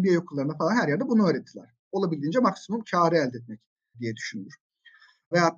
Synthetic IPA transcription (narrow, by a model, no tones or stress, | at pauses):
bijajokʰulˠːaɾɯnafalˠanhæɾjæɾd̪ɛbunuøːɾɛt̪ʰːilʲæ̰ɾ̥ | o̞lˠabilʲd̪iːnd͡ʒɛmaksimumcʰaːɾiɛːlʲd̪ɛt̪mɛc | d̪ijɛd̪yʃynyjyɾ̥ | vejaː